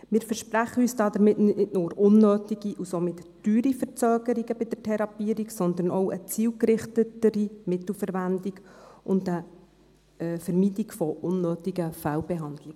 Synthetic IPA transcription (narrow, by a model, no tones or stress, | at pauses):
mɪːɾfəɾʃpɾæχəyːsd̥ɑːd̪əɾmɪtnɪɪtnʊːɾʊnːøːtiɡ̥iʔusomɪtd̥yːɾifəɾt͡søːɡ̥əɾiɡəbɪd̥̪ətʰɛɾɑpiəɾiksɔnd̪əɾnɔʊət͡siːlkɾɪχtətəɾimɪt̪l̩fəɾʋændiɡʔʊndə | fɛɾmiːtikfɔʔʊnːøːtiɡəfælbɛɦɑndlɪɡ